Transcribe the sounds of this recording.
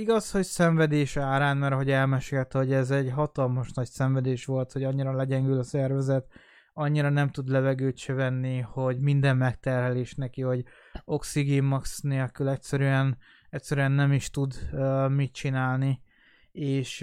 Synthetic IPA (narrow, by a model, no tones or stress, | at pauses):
iɡɒsho̞csɛɱvɛd̪eːʃaːɾaːnmɛɾɒɦo̞ɟɛlmɛʃeːlt̪ɛho̞ɟɛzɛɟɦɒt̪ɒlmɒʃnɒcsɛɱvɛd̪eːʃʋo̞lt̪ho̞ɟɒɲːiɾɒlɛɟɛŋɡylɒsɛrvɛzɛt̪ | ɒɲːiɾɒnɛmt̪ud̪lɛvɛɡøːt̪ʃɛvɛnːiho̞ɟmind̪ɛmmɛkt̪ɛrɦɛleːʃnɛkiho̞ɟ | o̞ksiɡimːɒksneːlkylɛcsɛɾyɛn | ɛtʲsɛɾyɛnːɛmiʃt̪ud̪mit̪t͡ʃinaːlni | eːʃ